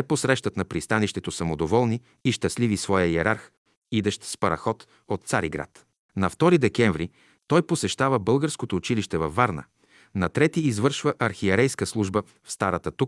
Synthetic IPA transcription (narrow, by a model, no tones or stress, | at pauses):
ɛposɾɛʃt̪ət̪nɐpɾist̪aniʃt̪ɛt̪osɐmod̪ovɔlˠniː | ʃt̪ɐslivisvɔjəjɛɾaɾx | id̪ɛʃt̪spɐɾɐ̰xɔt̪ | ot̪t̪sa̰ɾiɡɾa̰t̪ | nɐft̪ɔɾid̪ɛkɛɱvɾi | t̪ɔjposɛʃt̪avəbɤlˠɡəɾskot̪oːt͡ʃiliʃt̪ɛvɐfːaɾnə̰ | nɐt̪ɾɛt̪iːzvɤɾʃvəʔɐɾxiɛɾɛjskəslˠuʒbə | fst̪aɾət̪ət̪uk̚